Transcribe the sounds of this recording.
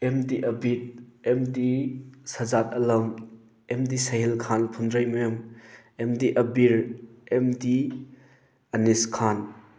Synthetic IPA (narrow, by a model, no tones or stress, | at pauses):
emdiʔɐbit̚emdisɐzat̚ɐlɐm | emdisɐɦilkʰanpʰundɾajmɐjum | emdiʔɐbiɾemdi | ɐniskʰan